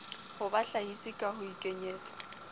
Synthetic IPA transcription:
hʊbaɬahisikʼahʊikʼeɲeːt͡sʼḁ

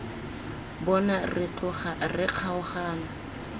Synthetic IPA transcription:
bɔnarɪt͡ɬʊχarɪq͡χʰaʊχaːna

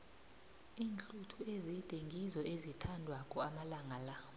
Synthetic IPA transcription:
iːnt͡ɬʼutʰuezid̥ʼʱeŋɡʱizɔʔezitʰandʱwakʼɔamalaŋala

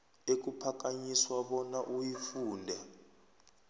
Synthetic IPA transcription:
ek̬upʰak̬aɲiswaɓɔnaʔujifuːndʱɛ

